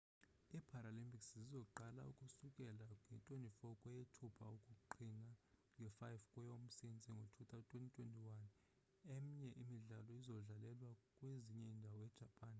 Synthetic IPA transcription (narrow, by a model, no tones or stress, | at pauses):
ipʰaɾalimpʰʼikszizɔǃala̰ṵkʼusukʼɛlaŋɛntʼonifɔkʼɔjetʰupʰa̰ukʼukuǃʰinaŋɡʱɛfajfkʼwɔjom̩sint͡sʼiŋɡʱotʰut̪ʰʼatʼʰwentʼitʰʼwentʼiwan | em̩ɲɛʔimiɮalɔizɔɮalɛlwakʼweziɲɛindʱawɔɛd̥ʒ̥ʱapʼaːn